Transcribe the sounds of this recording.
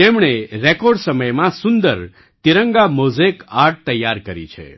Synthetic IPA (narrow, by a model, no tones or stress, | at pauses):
t̪emɳeɾekɔɾɖsəməjmãsʊnd̪əɾ | t̪iɾəŋɡamozekaɾʈ̚t̪əjːaɾkəɾḭt͡ʃʰḛ